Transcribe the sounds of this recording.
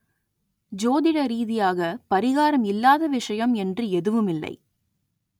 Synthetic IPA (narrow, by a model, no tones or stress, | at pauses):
d͡ʒoːðɪɽɐɾiːðɪjaːɣɐpɐɾɪɣaːɾɐmɪlːaːðɐʋɪʂɐjɐmɛndrɯɛðɯʋɯmɪlːɐ̰ɪ